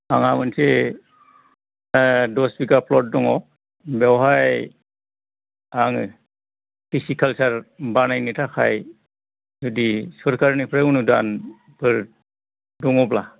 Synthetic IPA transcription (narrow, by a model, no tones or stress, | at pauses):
a̰ŋamɯnse | dɔsbiɡapʰlɔt̚dɔŋɔ | bewɦaj | aŋɯ | pisikʰalsaɾbanajnitʰakʰaj | zudisɔɾkʰaɾnipʰɾaunudan | bʰɯɾ | dɔŋɔpla